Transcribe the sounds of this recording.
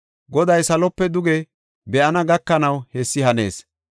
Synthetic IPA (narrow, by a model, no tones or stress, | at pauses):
ɡɔd̪ɐjsɐlɔpːɛd̪ʊɡɛ | bɛʔɐnɐɡɐkːɐnɐwhɛsːɪhɐne̞̰ːs